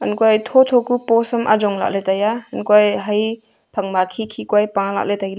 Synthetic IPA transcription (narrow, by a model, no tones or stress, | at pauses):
ɐnkuajtʰɔtʰɔkupɔsɐmʔa̰d͡ʒɔŋla̰letajaɐnkwajɦaj | pʰɐŋmakʰikʰikwajpãla̰k̚letajl